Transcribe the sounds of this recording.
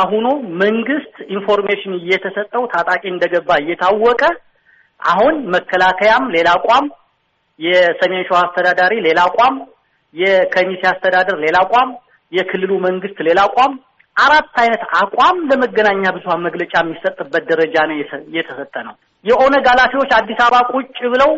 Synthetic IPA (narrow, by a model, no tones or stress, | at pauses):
aɦunoməŋɡɨst̪info̞ɾmeʃɪnɪjːɛt̪ʰəsət̪ʼːəwt̪ʰat̪ʼakʼiɨnd̪əɡəbːaɪjːɛt̪ʰawːɔkʼə | ʔa̰ɦunməkːəlakʰəjamle̞lakʼam | jɛsəmenʃoast̪ʰəd̪ad̪aɾile̞lakʷʼam | jɛkʰəmisiast̪ʰəd̪ad̪əɾle̞lakʼam | jɛkʰɨlːɨluməŋɡɨst̪le̞lakʷʼam | ʔaɾat̪ːajnət̪akʷʼamləməɡːənaɲːabɨzuhaməɡlət͡ʃʼamːisət̪ʼːɨbːət̪̚d̪əɾəd͡ʒanəjɛt̪ʰəsət̪ʼːənəw | jɛho̞nəɡalat̪ʰiwot͡ʃːad̪ːisaβakʼut͡ʃʼːɪβɨləw